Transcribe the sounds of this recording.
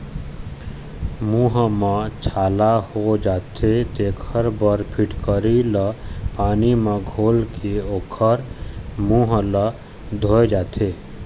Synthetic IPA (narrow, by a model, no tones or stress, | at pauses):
muːɦmẽt͡ʃʰaːlahod͡ʒaːt̪ʰet̪ekʰəɾbəɾpʰiʈkəɾiləpaːnimẽɡʱoːlkʰeoːkʰəɾmuːɦlə | d̪ʱoed͡ʒaːt̪ʰe